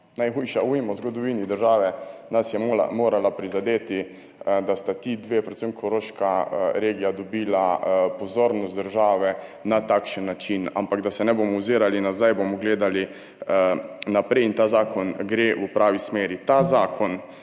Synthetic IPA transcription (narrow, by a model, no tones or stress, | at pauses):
najxuːjʃauːjimɔzɡɔd̪ɔʋiːnid̪əɾʒaːʋɛnasjɛmoːla̰moːɾalapɾizad̪eːt̪i | d̪ast̪at̪id̪ʋeːpɾɛt̪səmkʰɔɾoːʃkaɾeːɡijad̪ɔbiːlapɔzoːɾnɔst̪d̪əɾʒaːʋɛnat̪akʃənːat͡ʃina̰mpaɡd̪asɛnɛbomɔwziːɾalinazajboːmɔɡleːd̪ali | napɾɛjint̪aːzaːkɔnɡɾeːʔupɾaːʋismeːɾit̪azaːkʰɔn